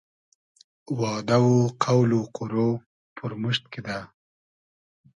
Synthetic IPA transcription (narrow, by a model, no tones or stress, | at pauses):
wɑːd̪awoqʰawloqʰʊɾo | pʰʊɾmʊʃt̪̚ked̪a